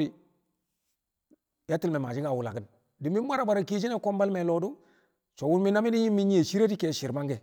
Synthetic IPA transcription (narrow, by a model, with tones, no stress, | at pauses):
i˨ | ja˦ti˦lme˨ma˨d͡ʒi˦ka˨wu˨la̰˨kə˦n | di˨mi˦m˦ba˦ɾa˨ba˨ɾa˨ki˦t͡ʃ̬i˦ne˦ko˦mba˦lme˨lo˨du˦ | t͡ʃo˨wu˦n˦mi˦na˦mi˦ni˦ɲi˦mːi˦ɲi˦e˨si˦ɾe˦di˦keː˨ʃi˨ɾma˦ŋɡe˨